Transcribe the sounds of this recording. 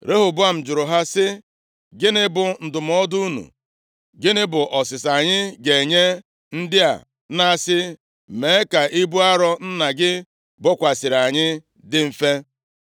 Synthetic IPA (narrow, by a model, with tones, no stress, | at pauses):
ɾe˦ɦʊ˨bʊ˦a˨m̩˨d͡ʒʊ˨ɾʊ˨ɦa˦sɪ˦ | ɡɪ˦nɪ˦bʊ˨n̩˨dʊ˨m̩˦ɔ˦du˦u˦nṵ˨ | ɡɪ˦nɪ˦bʊ˨ʔɔ˨sɪ˨sa˨ɲɪ˦ɡe˨ɲe˦ | n̩˦dɪ˦a̰˨ | na˦˨sɪ˦˨ | me˨˦ka˨ʔi˦bu˦a˦ɾɔ˦n̩˦na˨ɡɪ˦ | bɔ˦kʷa˨sɪ˨ɾa˨ɲɪ˦ | dɪ˦m̩˨fe˦